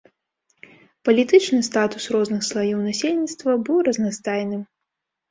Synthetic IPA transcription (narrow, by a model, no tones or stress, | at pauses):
pɐlʲit̪ɨt͡ʂnɨst̪at̪usrɔznɨxslˠajiwnasʲelʲnʲit̪st̪vɐbɨwrɐznast̪ajnɨm